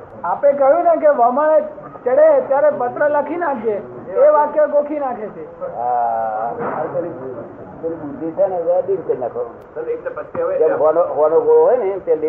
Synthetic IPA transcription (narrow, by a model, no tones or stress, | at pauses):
apek̬əjũnek̬eʋəməɭe | t͡ʃəɽet̪jaɾepət̪ɾələkʰinakʰd͡ʒeeʋãkeɡokʰinakʰet͡ʃʰea | aɾkəɾi | k̪əɾibud̪ʱit͡ʃaneʋəd̪inkəɾinakʰə̃ | d͡ʒeɦoanoɦoʋanoɡooɦojnep̪jad̪i